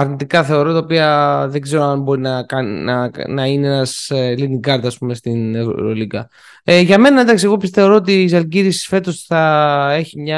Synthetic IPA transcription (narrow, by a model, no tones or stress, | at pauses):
ɐɾnit̪ikɐθe̞o̞ɾo̞t̪ɐopiɐðeɡze̞ɾo̞ɐnbo̞ɾinɐkɐnḭnɐnɐineenɐsliniɡɐɾt̪ɐːspume̞st̪inḛɾo̰liɡɐ | eʝɐme̞nɐind̪ɐksie̞ɣo̞pist̪e̞o̞ɾo̞ot̪iːzɐlɟiɾisi̥sfe̞t̪o̞sθɐe̞çimɲɐ